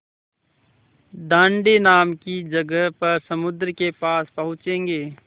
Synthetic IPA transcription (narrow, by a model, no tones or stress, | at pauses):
d̪ãːɳɖenaːmkid͡ʒəɡəɦpɐɾsəmʊd̪ɾəkepaːspəɦʊ̃t͡ʃẽːŋɡeː